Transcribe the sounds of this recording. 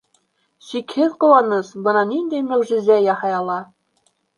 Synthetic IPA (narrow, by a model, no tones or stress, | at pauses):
sikhɘðqŏwɑnɤsbɤnɑnind̪æjmæwʒɘ̆zæjɑhɑjɑlˠɑ